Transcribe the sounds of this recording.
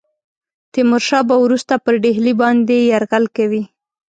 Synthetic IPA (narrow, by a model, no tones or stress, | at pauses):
t̪ɪmʊɾʃɑbawɾust̪apəɾɖeɦlibɑnd̪ejaɾɣalkawi